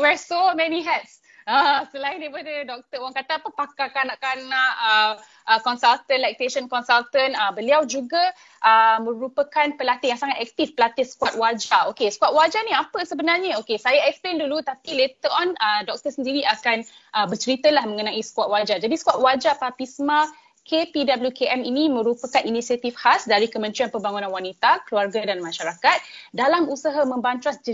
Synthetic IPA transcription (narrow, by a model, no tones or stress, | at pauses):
wɛɹsomɛ̃niɦɛt̪̚s | asəlaɪ̃ndajpadədɔk̚t̪əwaŋkat̪apəpakakanaʔkanaʔə | ʔəkɔnsalt̪ənlɛk̚t̪eʃənkɔnsalt̪ənəbəliawd͡ʒuɡa | ʔəmə̃ɾupəkanpəlat̪ɪjãŋsaŋat̪̚ɛk̚t̪ifpəlat̪ɪsə̥kwat̪̚wad͡ʒaokesə̥kuat̪̚wad͡ʒaniapəsəbənarɲaokesajaɛksplendulut̪apilet̪əɾɔnədɔk̚t̪əsəndiɾiʔakanʔəbət͡ʃənit̪əlahmə̃ŋənãʔisə̥kuat̪̚wad͡ʒad͡ʒadisə̥kuat̪̚wad͡ʒapapisma | kʰepidabəljukeʔɛminimə̃ɾupəkaninisiat̪ifhasdaɾikəmə̃nt̪ɾianpəmbaŋunãnwanit̪akəluarɡadanmãʃaɾakat̪̚dalamusaɦamə̃mbant̪ɾasd͡ʒə